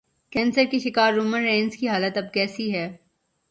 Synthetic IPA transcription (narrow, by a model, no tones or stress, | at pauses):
kɛ̃ːnsəɾkiʃɪkaːɾːuːmənːẽːnzkiɦaːlət̪ɐb̚kɛːsiɦɛː